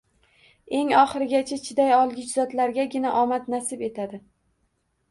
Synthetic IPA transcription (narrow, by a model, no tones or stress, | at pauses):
e̞ŋɒχɨɾɪɡʲat͡ʃʰat͡ʃʰɪd̪ajɒlˠɡʲɪt͡ʃzɒt̪laɾɡʲaɡʲɪnaʔɒmat̪nasɪbe̞t̪ʰad̪ɪ